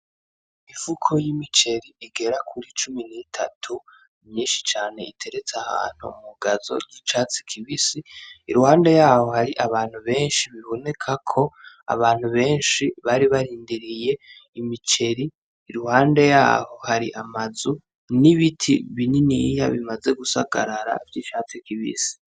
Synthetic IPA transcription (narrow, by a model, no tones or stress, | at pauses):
iv̥ukʰo̞jimit͡ʃe̞ɾiːɡe̞ɾakʰuɾit͡ʃuminitʰa̰tʰu | mɲiːnʃi̥t͡ʃaːne̞itʰe̞ɾet͡saha̰ːn̥hṵmuɡazo̞̰ɾɟit͡ʃaːt͡si̥kʰiβisiiɾuhaːnde̞jaːho̞haɾiʔaβaːn̥huβe̞ːnʃiβiβo̞ne̞kʰakʰo̞ | a̰βaːn̥huβe̞ːnʃiβaɾiβaɾiːndiɾije̞imit͡ʃe̞ɾiː | ɾuhaːnde̞ja̰ːho̞haɾiʔamazu | niβitʰḭβininija̰βimaze̞ɡusa̰ɡa̰ɾaɾa̰vjit͡ʃaːt͡sikiβḭsi̥